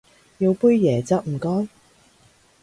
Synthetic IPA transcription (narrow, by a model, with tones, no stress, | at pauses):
ji˨˧wpu˥jːɛː˨˩t͡sɐ˧˥k̚m̩˨˩kɔː˥n